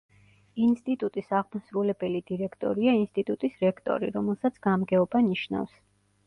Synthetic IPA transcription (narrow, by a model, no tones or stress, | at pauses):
inst̪ʼit̪ʼut̪ʼisaʁmasɾulɛbɛlid̪iɾɛkʰt̪ʼɔ̰ɾiainst̪ʼit̪ʼut̪ʼisɾɛkʰt̪ʼɔ̰ɾḭɾɔmɛlˠsat̪sʰɡ̥amɡɛɔbaniʃna̰fs